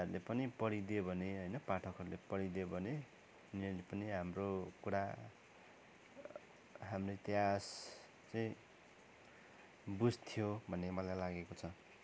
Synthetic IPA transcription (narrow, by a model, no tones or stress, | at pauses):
rulepʌnipʌɽid̪ebʱʌneɦʌjnʌpaʈʰʌkɦʌɾulepʌɽid̪obʱʌne | nʌlepʌniɦamrokuɽa | ɦamret̪jjas | t͡sʌĩ | bud͡zt̪ʰijobʱʌnemʌlajlaɡekot͡sʰʌ